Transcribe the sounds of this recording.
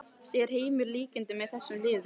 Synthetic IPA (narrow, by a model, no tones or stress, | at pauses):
sjɛɾ̥heːjmɪɾliːcɪnt̪ɪmɛðθɛsːʏmlɪːð